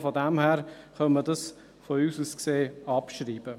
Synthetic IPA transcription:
fɔdæmhæːɾχœnmədɑs | fɔyːsuːskseːɑpʃɾiːb̥ə

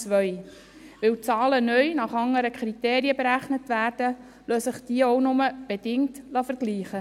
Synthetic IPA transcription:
t͡sʋœʏ | ʋɪwt͡sɑːlənœʏnɑχɑŋəɾəkʰɾiteːɾiəbeɾæχnətvæːrd̥ə | løːsəχd̥iəɔwnʊməb̥ed̥ɪŋtlɑfəɾɡ̥liːχə

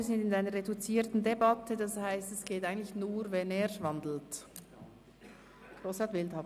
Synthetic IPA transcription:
zɪndɪnaɪnəɾʁedut͡siːtn̩debɑtʰədɑshaɪstɛsɡ̥eːtʔaɪɡən̩tlɪçnuːɾvɛneːʃvɑndl̩t | ɡ̥ʁoːshɑtv̥ɪlthɑːb

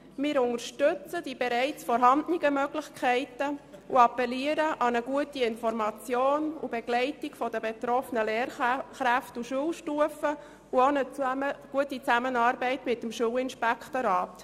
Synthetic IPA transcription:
mɪːɾʊŋəɾʃtʏt͡sədibeɾɛɪt͡sfɔɾɦɑndnɪɡəmœɡlɪçkʰæɪtəuɑpɛliəɾəʔɑnəɡuətiɪnfɔɾmɑt͡sjoːnṵb̥eɡ̥lɛɪtɪɡfɔdəbet̪ɾɔfənəleːɾχɾæftuʃuəlʃtuəfə | uonəɡ̥uətit͡sæmənɑːɾbɛɪtmɪt̚ːəmʃuːlɪnʃpɛkχtoɾɑːt

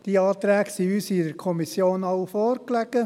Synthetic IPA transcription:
d̥iɑːt̪ɾæːɡsiyːsidəɾkʰɔmisjoːnɑwfɔːɾklæɡ̥ə

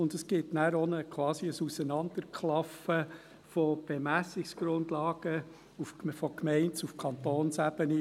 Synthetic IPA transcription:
ʊndəsɡ̥ɪtnæːɾɔnəkʰwɑːsiəsusənɑnd̥̪əɾkʰlɑfə | fɔb̥emæsɪksɡ̥ɾʊndlɑːɡ̥ə | uffɔkmɛɪntsufkʰɑnt̪oːnsæbəni

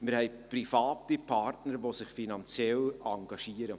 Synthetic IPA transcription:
mɪɾhɛɪ | prifɑːtipʰɑɾtnəɾʋosɪχfinɑnt͡sjɛlɑŋɡ̥ɑʃiːəɾə

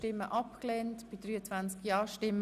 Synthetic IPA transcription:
tɪmːəʔɑpklɛntb̥id̪ɾyːət͡sv̥ant͡skjɑːʃtɪm

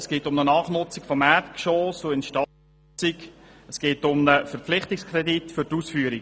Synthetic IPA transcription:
əsɡ̥eːtʊmnənɑːχnʊt͡sikfɔmætkʃoːsoɪnʃtɑ | t͡sikəsɡ̥eːtʊmnəfɛɾpflɪχtɪkskʰɾɛditfʏtuːsfyːəɾi

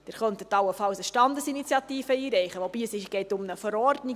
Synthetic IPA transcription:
d̥ɪːɾχœntət̪ɑwəfɑwsəʃtɑnd̪əsinitt͡sjɑtiːfəiːɾɛɪχəʋɔb̥iːəsɪʃɡ̥ɛɪtʊmnəfəɾɔɾdni

